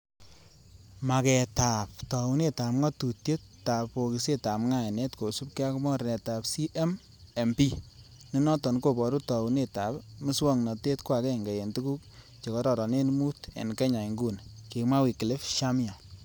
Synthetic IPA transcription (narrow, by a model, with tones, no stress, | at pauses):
ma˨kɛ˨ta˨p̚tɔ˨u˦ne˦˨ta˨pŋɔ˦tu˨tje˦ttːa˨po˨ki˨se˦ta˨pŋa˦˨nɛ˦tko˨su˦p̚ke˦a˦kmɔ˦ɾnɛ˨ta˨psi˦ʔe˦m | e˨mpi˦ | ni˦nɔ˦tɔ˨nko˨bɔ˨ɾu˦tɔ˨u˨ne˦ta˨pmɪ˦swɔ˦ŋnɔ˨te˦tkwa˨kɛ˦˨ŋɡɛ˨je˨ntu˦ku˦k̚ | t͡ʃe˨kɔ˦ɾɔ˨ɾɔ˨ne˦nmu˦tḛ˨nkɛ˦ɲa˨ŋɡu˦˨nke˨mwa˦wi˨kɪ˨le˦fʃa˦mja˨